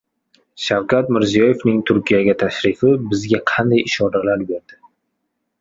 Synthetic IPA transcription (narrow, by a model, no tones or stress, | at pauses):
ʃawkʲʰat̪mɪɾzijɒje̞fnɪŋt̪ʰʊɾkʲʰijaɡʲat̪ʰaʃɾɪfɪbɪzɡʲaqʰɑnd̪ajɪʃɒɾalaɾbe̞ɾd̪̥ɪ